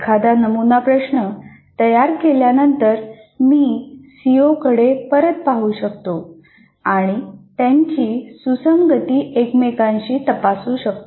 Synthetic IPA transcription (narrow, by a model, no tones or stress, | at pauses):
kʰad̪anəmunapɾəʂɳə | t̪əjaɾkeljanənt̪əɾ | miːsijokəɽepəɾət̪̚paɦuːɕək̚t̪o | aɽ̃it̪ẽɲt͡ɕiːsusəmɡət̪iːʔekmekãɲɕiːt̪əpasuːɕək̚t̪o